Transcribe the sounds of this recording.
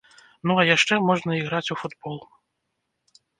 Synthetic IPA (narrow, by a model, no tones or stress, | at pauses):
nuɐjaʂt͡ʂɛmɔʐnɐiɣɾat͡sʲufud̪bɔlˠ